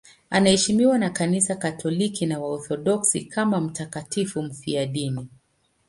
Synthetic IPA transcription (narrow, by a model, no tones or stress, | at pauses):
anahɛʃimiwanakanisakatʰɔlikinawaɔθɔɗɔksḭkʰamam̩takatifum̩fiaɗini